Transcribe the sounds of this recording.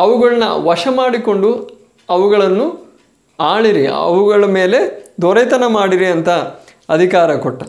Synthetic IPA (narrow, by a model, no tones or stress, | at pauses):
ɐʋuɡɐɭnɐ̰ʋɐʂɐmaːɽiko̞ɳɖu | ɐʋuɡɐɭɐnːu | aːɭiɾiɐ̰ʋuɡɐɭɐme̞ːle̞d̪oɾɐjt̪ɐnɐmaːɽiɾiɐnt̪ɐ | ɐd̪ʱikaːɾɐkoʈːɐ